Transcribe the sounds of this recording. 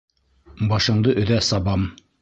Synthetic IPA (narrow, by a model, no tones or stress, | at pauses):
bɑʃɤ̆ɴd̪ɤʔɵ̆ðæsɑbɑm